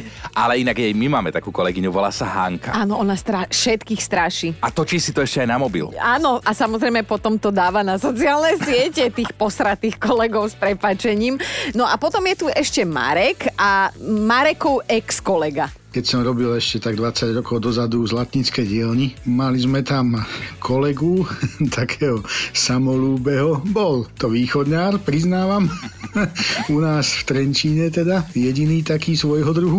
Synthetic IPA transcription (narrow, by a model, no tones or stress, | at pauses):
ʔalɛinaɡajmimaːmɛt̪akuːkɔlɛɡiɲuʋɔla̰ːsaɦa̰ŋka̰aːnɔɔnast̪ɾaʃɛt̪kiːxst̪ɾaʃiːat̪ɔt͡ʃiːsit̪ɔɛʃcɛajnamɔbḭlaːnɔʔasamɔzɾɛɪmɛpɔt̪ɔmt̪ɔd̪aːʋanasɔt͡siaːlnɛjsɪɛcɛt̪iːxpɔsɾat̪iːxkɔlɛɡɔʊspɾɛpaːt͡ʃɛɲiːmnɔʔapɔt̪ɔmjɛt̪uɛʃcɛma̰ɾɛkamaɾɛkɔʊʔɛkskɔlɛɡa | kɛcsɔmɾɔbilɛʃcɛt̪aɡd̪ʋat͡saɟɾɔkɔʊd̪ɔzad̪uzlat̪ɲit͡skɛjɟɪɛlɲimalizmɛt̪amkʰɔlɛɡut̪ʰakʰɛːɦɔsamɔluːbɛɦɔbɔlt̪ɔʋiːxɔd̪ɲaːɾpɾiznaːʋam | unaːsft̪ɾɛɲt͡ʃiːɲɛt̪ɛd̪ajɛɟiniːt̪akiːsʋɔjɦɔd̪ɾuɦu